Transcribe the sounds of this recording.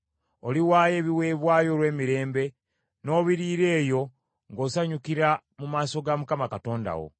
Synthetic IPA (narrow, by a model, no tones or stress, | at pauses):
oliwaːje̞ːβiwe̞ːβwaːjo̞ːlwe̞ːmiɾe̞ːmbe̞ | no̞ːβiɾiːɾe̞ːjo̞ | ŋɡo̞ːsaɲukiɾa | mumaːso̞ɡamukamakato̞ːnda̰wo̞̰